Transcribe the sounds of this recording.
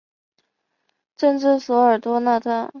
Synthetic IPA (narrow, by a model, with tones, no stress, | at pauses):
ʈ͡ʂɤ˥˧nʈ͡ʂɻ̩˥˩swɔ˧˥ə˞˨˩t̪wɔ˥na˥˧t̪ʰa˥